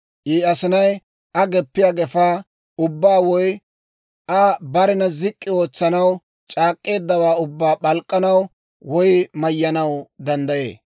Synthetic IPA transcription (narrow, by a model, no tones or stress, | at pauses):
ʔiːɐsɪnɐj | ʔɐɡɛpːɪjaːɡɛfaː | ʊbːaːwɔj | ʔɐbɐɾɪnɐzɪkʼːɪo̞ːt͡sːɐnɐw | t͡ʃʼaːkʼːe̞ːd̪ːɐwaːʊbːaːɓɐlkʼːɐnɐw | wɔjmɐjːɐnɐwd̪ɐnd̪ɐjḛː